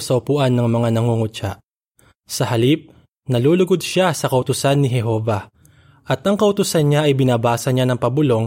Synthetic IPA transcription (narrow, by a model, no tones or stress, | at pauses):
sɐʔʊpʊʔanːɐŋmɐŋanɐŋuŋʊt͡ʃa̰ʔ | sɐhɐlip̚ | nɐluːlʊɡod̪̚ʃasɐkɐʔʊt̪ʊsanːɪɦɛɦo̞ːvɐ | ʔɐt̪ʔɐŋkɐʔʊt̪ʊsanɲaʔɐjbɪnaːbaːsɐɲanɐŋpɐbʊlo̞ŋ